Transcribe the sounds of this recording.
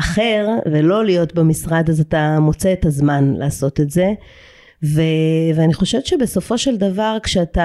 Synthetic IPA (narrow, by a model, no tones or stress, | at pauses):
ʔaχe̞ʁvelo̞lijo̞tbemisʁad̪azatamo̞t͡seːtazmanla̰ːso̞tetze̞ | veveaniχo̞ʃe̞vtt͡ʃebeso̞fo̞ʃe̞ld̪avaʁkʃeata